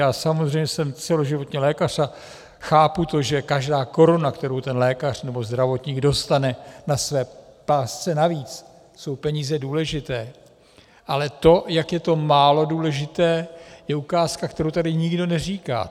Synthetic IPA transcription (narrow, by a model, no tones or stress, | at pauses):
jaːsamozr̝ɛjmɲɛsɛmt͡sɛlo̞ʒɪvo̞t̪ɲɛlɛːkar̝̥a | xaːput̪o̞ʒɛkaʒdaːko̞ɾonakt̪ɛɾowt̪ɛnlɛːkar̝̥nɛbo̞zd̪ɾavo̞t̪ɲiːɡdo̞st̪anɛnasvɛːpaːst͡sɛnaviːt͡s | so̞wpɛɲiːzɛduːlɛʒɪt̪ɛː | ʔalɛt̪o̞jakjɛt̪o̞maːlo̞duːlɛʒɪt̪ɛːjɛukaːskakt̪ɛɾowt̪adɪɲɪɡdo̞nɛr̝iːka̰ː